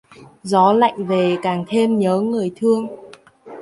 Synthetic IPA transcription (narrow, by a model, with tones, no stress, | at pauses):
zɔ˨˦la̰˧˨jŋ̟ve˨˩kaː˨˩ŋt̪ʰe˧mɲəː˨˦ŋɨ˨˩əjt̪ʰɨ˧əŋ